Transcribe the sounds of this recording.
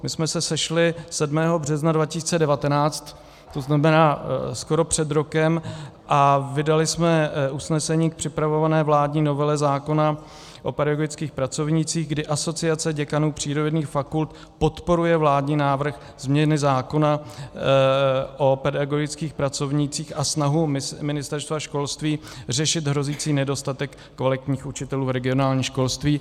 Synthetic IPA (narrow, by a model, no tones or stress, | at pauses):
mɪsmɛsɛsɛʃlɪsɛdmɛːɦo̞brɛznadvacɪsiːt͡sɛdɛvat̪ɛnaːt͡st̪ | t̪ːo̞znamɛnaːsko̞ɾo̞pr̝̥ɛd̪ɾo̞kɛmʔavɪdalɪsmɛʔusnɛsɛɲiːk̚pr̥ɪpɾavo̞vanɛːvlaːdɲiːno̞vɛlɛzaːko̞na | ʔo̞pɛdaɡoɡɪt͡skiːxpɾat͡so̞vɲit͡siːɣɡdɪʔaso̞t͡sɪat͡sɛɟɛkanuːpr̝̥iːɾoniːxfakult̪ | po̞t̪po̞ɾujɛvlaːdɲiːnaːvr̩x | z̥mɲɛnɪzaːko̞na | ʔo̞pɛdaɡo̞ɡɪt͡skiːxpɾat͡so̞vɲit͡siːxasnaɦumɪnɪst̪ɛɾst̪vaʃko̞lst̪viːrɛʃɪt̪ɦɾo̞ziːt͡siːnɛdo̞st̪at̪ɛkːvalɪt̪ɲiːxʔut͡ʃɪt̪ɛluːvɾɛɡɪo̞naːlɲiːʃko̞lst̪viː